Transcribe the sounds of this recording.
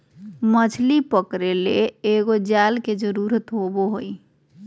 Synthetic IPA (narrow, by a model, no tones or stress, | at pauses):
mət͡ʃʰlipəkɾeleeɡod͡ʒalked͡ʒəɾuɾət̪ɦoboɦoi